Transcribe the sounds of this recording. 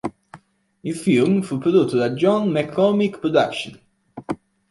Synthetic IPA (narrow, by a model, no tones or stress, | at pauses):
isfilmfupɾod̪ut̪ːəd̪ad͡ʒɔnmɛkʰɾɔmikpɾod̪akʃə̃n